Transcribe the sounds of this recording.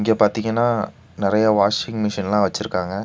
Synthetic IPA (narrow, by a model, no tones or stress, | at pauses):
ɪŋɡeːpaːɾt̪iŋɡɐnːaː | nɪɾɐjɐʋaːʂɪŋɡmɪʂɐnlãːʋɐt͡ʃːɯɾɯkːaːŋɡɐ